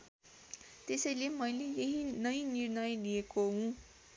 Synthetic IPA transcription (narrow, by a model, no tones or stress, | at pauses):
t̪esʌjlemʌjlejeɦinʌjnirnʌjlijekoɦũ